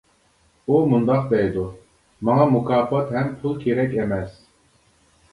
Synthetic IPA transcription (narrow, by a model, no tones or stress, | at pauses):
umund̪ɑq̚d̪ɛjd̪u | mɑŋɑmukʰɑːpɑt̪ɦɛmpʰulˠkʰʲeɾɛkʲɛmɛs